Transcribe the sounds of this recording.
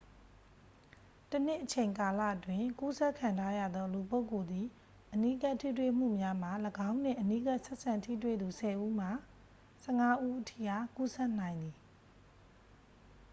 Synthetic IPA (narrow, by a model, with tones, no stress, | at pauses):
tən̥ɪ˦ʔət͡ɕʰẽ˨ɪ̃ŋka˨la̰˦˨ʔətwɪ̃˨ku˦sɛ˦ʔkʰːã˨ntʰa˦ja̰˦˨d̪ðɔ˦lu˨p̬o˦ʊko˨d̪i˨ | ʔəni˦ka˦tʰḭ˦˨twe˦˨m̥ṵ˦˨mja˦m̥a˨ləɡã˦ʊ̃n̥ɪ̰̃˦˨ʔəni˦ka˦ʔsɛ˦ʔsã˨ntʰḭ˦˨twḛ˦˨d̪u˨sʰɛ˨ʔu˦m̥a˨ | sɛ˦ŋa˦ʔu˦ʔətʰḭ˦˨ha˦˨ku˦sɛ˦ʔnã˨ɪ̃nd̪i˨